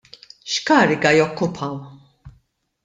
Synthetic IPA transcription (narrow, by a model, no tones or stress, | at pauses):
ʃkɐːɾɪɡɐjɔkːʊpʰɐw